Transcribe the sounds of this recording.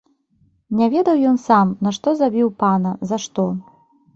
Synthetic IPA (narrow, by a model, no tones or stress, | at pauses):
nʲɛvʲɛd̪ɐwjɔnsamnɐʂt̪ɔzabʲiwpanɐzaʂt̪ɔ